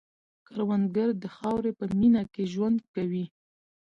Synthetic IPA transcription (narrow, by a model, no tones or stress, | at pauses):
kaɾwand̪ɡaɾd̪əxɑwɾepəminakeʒwand̪̚kawi